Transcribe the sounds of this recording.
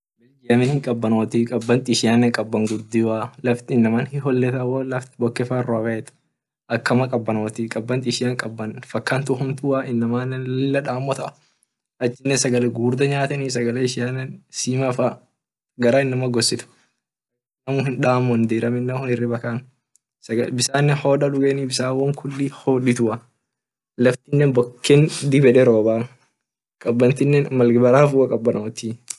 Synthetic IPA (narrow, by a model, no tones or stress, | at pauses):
bɛd͡ʒɪɐmɪnhɪŋkʼɐbːɐnoːt̪ikʼɐbːɐnt̪ʼɪʃɪjaːnːɐŋkʼɐbːɐŋɡʊɾd̪iwaːlɐft̪ɪɪnːɐmanhɪɦɔlːɛt̪ɐwɐlɐft̪ɪbɔkːɛfarːowɐɛt̪ | ʔɐkːɐmɐkʼɐbːɐno̞ːt̪ikʼɐbːɐnt̪ʼɪʃɪjaŋkʼɐbːɐnfɐkːaːnt̪ʊhʊnt̪ʊaʔɪnːɐmaːnɪlːɐᶑaːmːɔt̪ɐʔɐ | ʔɐt͡ʃːɪnːesɐɡɐlɛɡuːɾd̪ɐɲaːt̪ɐniːsɐɡɐlɛɪʃɪjaːnːɛnsiːmafa | ɡɐɾaːɪnːɐmɐɡɔsːɪt̪ʊ̥ | nɐmʊhɪnᶑaːmːɔnd̪iːɾɐmɪnːɛhʊnɪrːɪbɐkaːn | sɐɡɐbɪsaːnːɛnhoːᶑɐᶑʊɡeːniːbɪsaːwɐŋkʰʊlːihoːᶑɪt̪ʊʔɐ | lɐft̪ɪnːɛnbɔkːɛnd̪ɪbɛᶑɛɾoːbaː | kʼɐbːɐnt̪ɪnːɛnmɐlɡɪbɐɾaːfuːʔɐkʼɐbːɐnʔɐɔt̪iː